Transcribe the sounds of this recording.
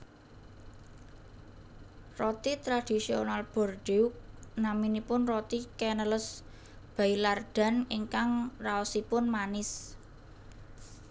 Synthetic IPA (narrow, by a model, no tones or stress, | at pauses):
rɔt̪it̪ɾad̪̥i̤sionalb̥ɔ̤rdeʊk̚naminipʊnrɔt̪ikɛnələs | b̥a̤ilard̪̥a̤nɪŋkaŋraɔsipʊnmanɪs